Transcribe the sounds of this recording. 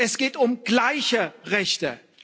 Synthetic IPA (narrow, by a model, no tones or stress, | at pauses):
ɛsɡ̥eːtʊmɡ̥laɪçəʁɛçtə̰